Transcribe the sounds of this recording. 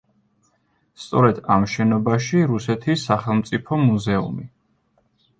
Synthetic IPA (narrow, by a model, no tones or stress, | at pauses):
st̪sʼɔɾɛd̪amʃɛnɔbaʃiɾusɛt̪ʰisːaχɛlˠmt̪sʼipʰɔmuzɛṵmi